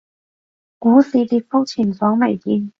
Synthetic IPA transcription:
kuː˨˥siː˨˧t̪iː˧k̚fʊ˥k̚t͡ɕʰi˨˩nfɔː˨˥ŋme˨˩jt̪iː˧n

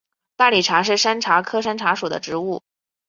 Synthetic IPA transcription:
t̪a˥˩li˨˩ʈ͡ʂʰa˧˥ʂ̬ɻ̩˥˩ʂa˥nʈ͡ʂʰa˧˥kʰɤ˥ʂa˥nʈ͡ʂʰa˧˥ʂu˨˩d̪ə̰˦ʈ͡ʂɻ̩˧˥u˥˩

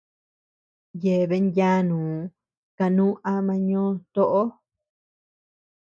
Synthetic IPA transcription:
je˨βe˧˦njja˦nũː˨ | ka˧nũ˦ʔa˧mã˧ɲõː˦t̪o˦ʔo˦

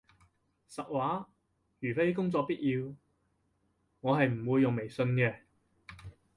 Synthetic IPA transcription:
sɐ˨˩t̚waː˨˥ | jyː˨˩fe˥jkʊ˥ŋt͡sɔː˧k̚piː˥t̚ʔjiː˧w | ŋɔː˨˧ɦɐ˨jm̩˨˩wuː˧jːʊ˨˩ŋme˨jsɵ˧nkɛː˧

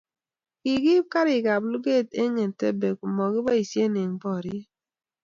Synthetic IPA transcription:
ki˨ki˦ka˦ɾi˨ka˨blu˦ɡe˦˨te˦ŋe˨te˦be˨ku˨mɔ˨ki˦ba˦i˨sje˦ne˨ŋ˦bɔ˦˨ɾi˦

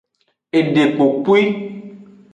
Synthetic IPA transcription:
e˨ɖe˨k͡po˨k͡pu˦i˦

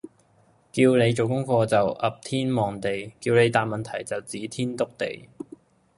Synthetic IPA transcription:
kiː˧wne˨˧jt͡so˨˩wkʊ˥ŋfɔː˧t͡sɐ˨wʔɐ˨p̚t̪ʰiː˥nmɔː˨ŋt̪e˨jkiː˧wne˨˧jt̪aː˨n̚mɐ˨nt̪ʰɐ˨˩jt͡sɐ˨˩wt͡siː˨˥t̪ʰiː˥nt̪ʊ˥k̚t̪ḛ˨j

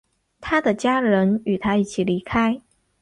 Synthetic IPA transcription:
t̪ʰa˥d̪ə˨t͡ɕja˥ɻə˧˥ny˨˩t̪ʰa˥i˥˩t͡ɕʰi˨˩li˧˥kʰa˥ɪ

